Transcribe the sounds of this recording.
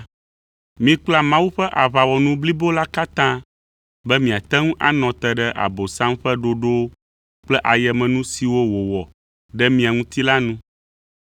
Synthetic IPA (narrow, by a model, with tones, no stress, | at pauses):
mĩ˦k͡pla˦mã˦wu˦ɸɛ˦ʔa˨βa˨wɔ˨nũ˦bli˦bo˦la˦ka˦t̪ã˦ | bɛ˦mĩ˨a˨t̪ɛ˦ŋũ˦ʔa˦nɔ̃˨t̪ɛ˦˨ɖɛ˦ʔa̰˨bo˨sã˦mɸɛ˦ɖo˦ɖo˦ | k͡plɛ˦ʔa˨jɛ˨mɛ̃˨nũ˦si˨wo˦wo˨wɔ˨ | ɖɛ˦mĩ˨a˨ŋũ˦t̪i˦la˦nũ˦